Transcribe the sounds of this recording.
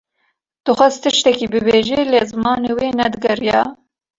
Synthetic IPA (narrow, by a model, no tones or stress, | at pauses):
d̪̥ɨxʷɛzt̪ʰɨʃt̪ɛkibɨbeːʒelezɨmɑːneːweːnɛd̪ɨɡɛrjɑː